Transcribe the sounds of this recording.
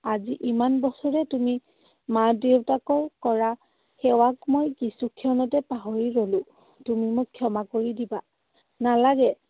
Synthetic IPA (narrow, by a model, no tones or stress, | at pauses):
aziʔimanbɔsɔɹɛtumi | madewtakɔkɔɹa | xɛwakmojkisukʰiɔnɔtɛpaɦɔɹiɹolʊ | tumimʊkʰːjɔmakoɹidiba | nalaɡɛ